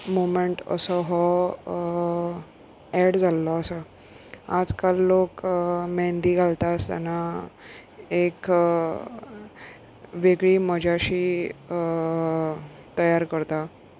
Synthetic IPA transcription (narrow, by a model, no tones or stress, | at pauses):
momeɳʈə̰sɔɦɔ | ɛɽd͡zʱalːɔəsə | a̰d͡zkalːokmɛnd̪iːɡʱalt̪ast̪a̰na | ek | ʋeɡɭiːməd͡ʑʱaɕiː | t̪əjaɾkəɾt̪a